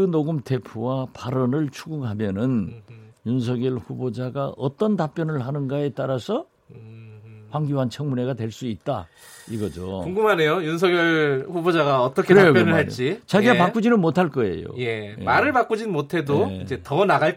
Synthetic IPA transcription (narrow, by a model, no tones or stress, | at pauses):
kɯnoɡɯmtʰe̞pʰuwapaɾʌnɯɭt͡ɕʰuɡuŋɦamjʌnɯnjunsʰʌɡjʌɭɸubod͡ʑaɡaʔʌt͈ʌntap̚p͈jʌnɯɭɦanɯnɡae̞t͈aɾasʰʌ | ɸwaŋɡjuɦant͡ɕʰʌŋmune̞ɡatwe̞ɭs͈uit̚t͈a̰ | iɡʌd͡ʑo̰kuŋɡumane̞jojuns̬ʰʌɡjʌɭɸubod͡ʑaɡaʌt͈ʌkʰeɾeajokpjʌnɯɭhaɭt͡ɕ͈it͡ɕaɡiapakk͈ud͡ʑinɯnmotʰaɭk͈ʌḛjo̰je̞emaɾɯɭpak͈ud͡ʑinmotʰe̞doid͡ʑe̞tʌnaɡaɭk